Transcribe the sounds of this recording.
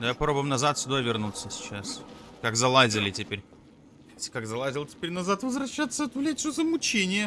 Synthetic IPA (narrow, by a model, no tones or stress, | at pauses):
d̪ajapɐpɾobʊjmnɐzat̪sʲʊd̪ovʲɪrnut̪səsʲɪ̥t͡ɕaskaɡzɐlˠazʲɪlʲɪtʲɪpʲeɾʲ | sʲkaɡzɐlˠazʲɪlˠtʲɪpʲeɾʲnɐzat̪vəzvɾɐɕːat̪səɐt̪vlʲætʲʂozəmʊt͡ɕenʲɪjə